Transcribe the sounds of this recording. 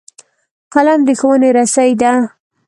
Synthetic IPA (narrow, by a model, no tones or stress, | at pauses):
qaland̪əxawəneɾasajd̪a